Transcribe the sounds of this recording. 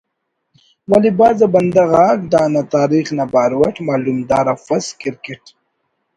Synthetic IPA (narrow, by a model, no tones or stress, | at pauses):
walibaːzabɐnd̪aɣaːkd̪aːnat̪aːɾiχnabaːɾwaʈmaːlumd̪aːɾafɐskɪɾkeʈ